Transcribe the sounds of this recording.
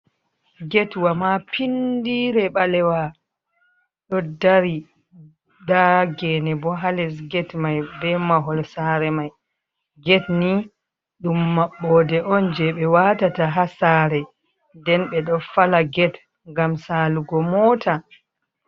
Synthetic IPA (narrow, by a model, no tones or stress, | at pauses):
ɡɛtwamapʰindiɾɛɓalɛwa | ɗɔdaɾi | daɡɛnɛbɔɦalɛsɡɛtmajbɛmaɦɔlsaɾɛmaj | ɡɛtni | ɗumːaɓːɔdɛʔɔnd͡ʒɛɓɛwatataɦasaːɾɛ | ndɛnɓɛɗɔfalaɡɛt | ŋɡamsaːluɡɔmɔːta